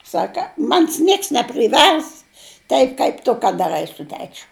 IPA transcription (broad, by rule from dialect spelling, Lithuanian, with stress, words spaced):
ˈsɑːkɐ ˈmɑːnʲɪs ˈnʲiɛks nʲɛpʲrʲɪˈʋʲɛrs ˈtɐɪp kɐɪp ˈtʊ kɐt dɐˈrɐɪ sʊ ˈtʲæːt͡ʃʲʊ